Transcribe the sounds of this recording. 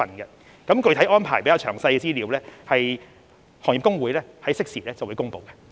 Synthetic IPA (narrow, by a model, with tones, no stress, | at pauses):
ɐ˨nɡɛ˧ | kɐ˨˥mkɵ˧t̪ʰɐ˨˥jʔɔː˥npʰaː˨˩jpe˨˥kaː˨˧t͡ʃʰœː˨˩ŋsɐ˧jkɛ˧t͡siː˥liː˨˧wlɛː˥hɐ˨j | hɔː˨˩ŋi˨˩kʊ˥ŋwuː˨˥jlɛː˦˥hɐ˨˥jsɪ˥k̚siː˨˩lɛː˥t͡sɐ˨˩wu˨˧˥kʊ˥ŋpo̰˨˧wkɛ˧